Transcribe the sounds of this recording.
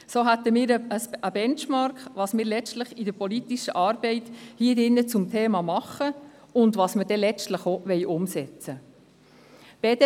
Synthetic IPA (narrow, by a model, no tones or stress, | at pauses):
soːɦæt̪əmiːɾəəsəbɛnt͡ʃmɑɾkχʋɑːsmiːɾlɛt͡stləχid̥əɾpɔlit̪iʃəʔɑːɾb̥ɛɪthiːdɪnːət͡sʊmtʰeːmɑmɑχə | ʊndʋɑːsməd̥ɛlɛt͡stləχoʋɛɪʔʊmsɛt͡sə | b̥ɛd